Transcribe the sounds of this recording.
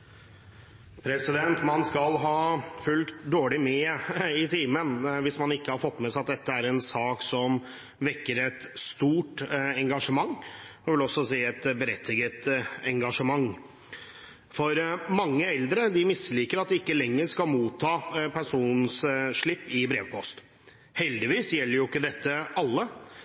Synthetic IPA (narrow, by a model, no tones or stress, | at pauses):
pʰɾɛsɪd̪ɛnt̪mɑnskɑlɦɑːfʉlkt̪d̪oːɭɪmeːɪt̪ʰiːmənʋɪsmɑnɪkːəhɑɾfɔt̪ːmɛsæɪɑt̪̚d̪ɛt̪ːəæɾɛnsɑːksɔm | ʋɛɾkːəɾɛt̪st̪uːʈɛŋɡɑʂəmɑŋːɑʋɪlɔsːɔsiːɛt̪bəɾɛt̪ʰːɪɡət̪ɛŋɡɑʂəmɑŋː | fɔɾmɑŋːəɛld̪ɾəd̪ɪmɪsliːkəɾɑt̪̚d̪ɛɪkːəlɛŋːəʂkɑlmuːt̪ʰːɑːpʰæʂuːnsʂɭɪpːɪbɾeːʋpʰɔst̪ | hɛld̪ɪʋiːsjɛlːəɾjʊɪkːəd̪ɛt̪ːəɑlːə